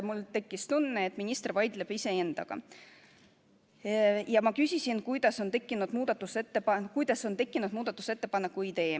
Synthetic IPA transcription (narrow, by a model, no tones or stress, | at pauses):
mult̪e̞kːist̪unːeet̪ːˑminʲist̪rvɑjd̪̥leb̥ise̞e̞nd̪̥ɑ̰ɡ̥ɑ̰ | jɑmɑkysʲisinkujd̪̥ɑso̞nt̪e̞kːˑinud̪̥muːd̪̥ɑt̪ːˑuse̞t̪ːepɑkujd̪ɑso̞nt̪e̞kːˑinud̪muːd̪̥ɑt̪ːˑu̥se̞t̪ːe̞pɑnːekːˑuid̪e̞ː